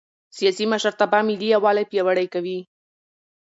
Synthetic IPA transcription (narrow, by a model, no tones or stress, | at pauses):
sijɑsimaʃaɾt̪abɑmɪliawɑlajpjawaɽajkawi